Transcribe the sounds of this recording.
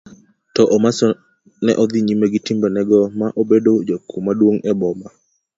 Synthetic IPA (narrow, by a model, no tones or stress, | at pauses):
tɔʔɔmasɔ | nɛ̰ʔɔd̪iɲimeɡɪtimbɛnɛɡɔmaʔobedod͡ʒokʰumadwoŋɛbɔma